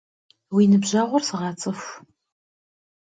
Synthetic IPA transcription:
wiːnɨbʑɐːʁʷɔrsɨʁɑːt͡sʼɨxʷ

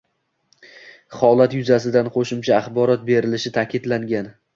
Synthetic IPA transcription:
χɒlˠat̪jʊzasɪd̪anqʰoʃɪmt͡ʃʰaːχbɒɾɒt̪̚be̞ɾɪlɪʃɪt̪ʰakʲɪd̪laŋɡʲan

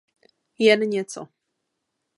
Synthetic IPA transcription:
jɛnəɲɛt̪sɔ̰

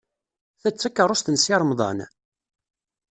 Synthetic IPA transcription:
θæt͡sːækːərˤʊst̪ənsiɾˤmðˤɑ̰n

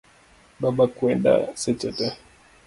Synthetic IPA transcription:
baɓakuɛnda̰sɛt͡ʃɛtɛ

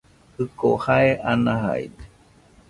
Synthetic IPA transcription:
hɯkohaeʔanaɦa̰ide

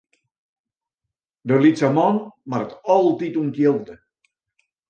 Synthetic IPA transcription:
dəlitsamɔnmaɾətɔlˠtituntjɪlˠdə

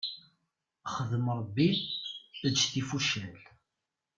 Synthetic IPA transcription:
χəðəmɾˤəbːi | d̪ʃθifuʃæl

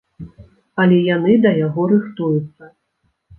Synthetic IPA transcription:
ɐlʲɛjanɨd̪ɐjaɣɔɾɨxt̪ujut̪sːɐ

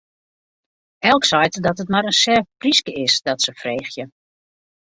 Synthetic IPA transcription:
ɛlˠksɔjtdɔtətmaɾənsɛpriskəʔɪsdɔtsəfreːxjə

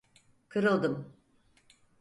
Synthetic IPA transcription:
kʰɯɾɯlˠd̪ɯm

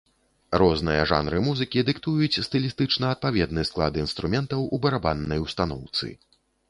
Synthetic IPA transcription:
rɔznɨjɐʐa̰nɾɨmuzɨkʲid̪ɨkt̪ujut͡sʲst̪ɨlʲist̪ɨt͡ʂnɐɐt̪̚pavʲɛd̪nɨsklˠa̰d̪ɨinst̪ɾumʲɛnt̪ɐwubɐɾabanːɐjwst̪anɔwt̪sɨ̰

